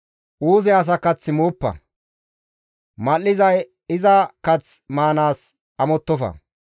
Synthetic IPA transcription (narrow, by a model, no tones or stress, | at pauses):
ʔuːzɛɐs̬ɐkːɐt͡sːɪmuːpːɐ̰ | mɐlːɪzɐj | ɪzɐkɐt͡smaːnaːs | ɐmɔt̪ːɔfɐ̰